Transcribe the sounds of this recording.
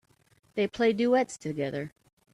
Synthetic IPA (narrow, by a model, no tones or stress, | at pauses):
ðeɪpʰl̥eɪduɛtstʰɨɡɛðə˞